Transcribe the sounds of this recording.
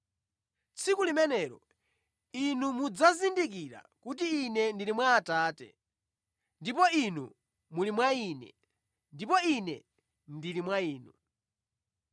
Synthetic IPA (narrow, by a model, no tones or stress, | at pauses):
t͡sʰikulimɛnɛːɾɔ | inumud͡zazindik̬iɾa̰ | kut̬iːnɛndilimwaːtaːtɛ̰ | ndipɔinṵ | mulimwaiːnɛ̰ | ndipɔinɛ̰ | ndilimwaiːnu